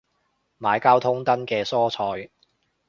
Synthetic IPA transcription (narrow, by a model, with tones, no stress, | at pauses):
maː˨˧jkaː˥wt̪ʰʊ˥ŋt̪ɐ˥nkɛː˧sɔː˥t͡sʰɔː˧j